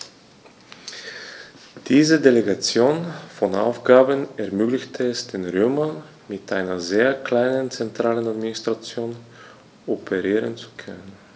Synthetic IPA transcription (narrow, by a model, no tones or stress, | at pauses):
d̥iːzədeleɡat͡sjoːnfɔnʔa̰ʊfɡ̥aːbənɛɐmøːɡlɪçtʰəɛsd̥eːnʁøːmɐ | mɪtʔaɪnɐzeːɐkl̥aɪnənt͡sɛntʁ̥aːlənadminɪstʁ̥at͡sjoːn | ʔɔpʰəʁiːʁənt͡su̥kʰœ̰nən